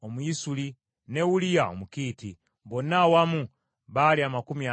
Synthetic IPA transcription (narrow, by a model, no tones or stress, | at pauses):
omuisuli | ne̞wulijao̰mukiːti | βo̞nawamu | βaliamakumia